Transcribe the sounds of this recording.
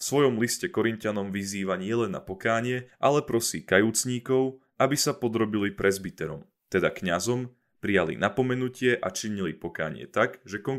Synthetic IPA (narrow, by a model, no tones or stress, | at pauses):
fsʋɔjɔmliscɛkɔɾincanɔmʋiziːʋaɲɪɛlɛnːa̰pɔkaːɲɪɛʔalɛpɾɔsiːkajuːt͡sɲiːkɔʊ | ʔabisapɔd̪ɾɔbilipɾʔɛzbit̪ɛɾɔm | t̪ɛd̪akɲazɔm | pɾijalḭnapɔmɛnucɪɛʔat͡ʃiɲilipɔka̰ːɲɪɛ̰t̪aɡʒɛkɔŋ